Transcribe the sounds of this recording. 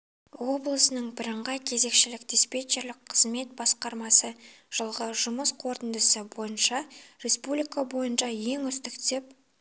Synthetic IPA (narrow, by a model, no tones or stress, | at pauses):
wo̞blˠəsənəɴbɪɾəɴʁɑjkʲʰe̞ze̞kʃɪlɪkd̪espe̞t͡ʃeɾlɪk̚qʰəzme̞t̪̚bɑsqɑɾmɑsə | ʒ̥əlˠʁəʒʊməsqʰoɾt̪ənd̪əsəbo̞jənʃɑɾe̞spublʲijkabo̞jənʃɑje̞ŋʏst̪ɪkt̪e̞p̚